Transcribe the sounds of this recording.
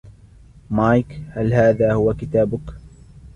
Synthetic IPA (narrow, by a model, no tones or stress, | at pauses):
maːjkhalhaːðaːhʊwakɪt̪aːbʊk